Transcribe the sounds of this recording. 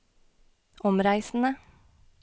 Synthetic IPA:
ʔɔmɾæɪsn̩ə

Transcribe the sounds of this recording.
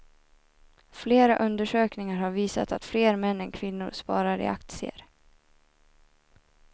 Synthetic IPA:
fleːɾaʔɵnd̪əʂøːknɪŋaɾhaɾviːsa̰t̪at̪fleːɾmɛnːɛnkʰvɪnːʊ̰ɾʂpɑːɾaɾɪ̰ak̚t̪sɪə̰ɾ

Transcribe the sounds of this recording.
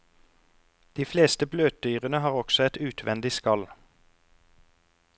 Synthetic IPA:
d̪̥iːfleːst̪əbløːt̪̚d̪yːʁənəhɑːʁɔɡsɔɛt̪ʉːt̪ʰʋɛnd̪ɪskɑl

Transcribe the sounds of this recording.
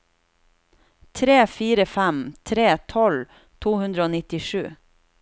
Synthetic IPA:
t̪ʰɾeːfiːɾəfæmt̪ʰɾeːt̪ʰɔl | t̪ʰuːhʉnd̪ɾəoːnɪt̪ɪʂʉ̰ː

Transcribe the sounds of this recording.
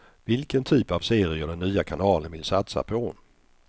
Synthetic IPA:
vɪlkənt̪ʰyːpavseːɾɪɔd̪ɛnːyːakʰanɑːlənvɪlsat̪sa̰pʰɔ

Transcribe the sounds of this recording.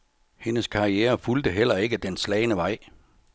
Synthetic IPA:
he̝nəskʰɑ̈iɛːɐfuld̥əɦel̰ɐe̝ɡ̥əd̥enslɛːɪnəʋɑ̈ɪ̰

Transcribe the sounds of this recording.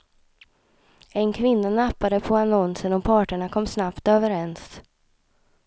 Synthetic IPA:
ɛnkʰvɪnːanapːad̪əpʰɔanɔnsənɔpʰɑːʈəɳakʰɔmːsnapt̪øːvəɾɛns

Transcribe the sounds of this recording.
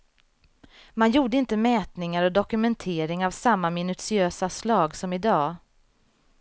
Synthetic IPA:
manjuːɖəɪnt̪əmɛːt̪nɪŋaɾɔd̪ɔkɵmɛnt̪ʰeːɾɪŋavsamːamɪnɵsɪøːsaslɑːɡsɔmɪd̪ɑː

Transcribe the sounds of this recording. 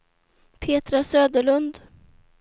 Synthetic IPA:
pʰeːt̪ɾasøːd̪əɭɵnd̪

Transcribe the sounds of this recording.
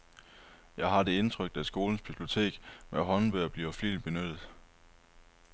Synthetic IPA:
jɑ̈ɪɦɑ̈d̥e̝e̝nt͡sʰʁœɡ̥̚d̥æsɡ̥o̝ːln̩sb̥ib̥lio̝t͡sʰe̝̰ːɡ̥meɦɒ̽nʋøːɐb̥liɐflḭːlb̥e̝nød̥ð̩ˠ

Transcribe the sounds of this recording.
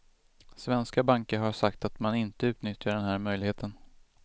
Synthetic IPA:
svɛnskabaŋkəɾɦaʂakt̪at̪manɪnt̪əʉ̟ːt̪nʏt̪jaɖɛnɦæːɾmœjlɪɡheːt̪ʰən

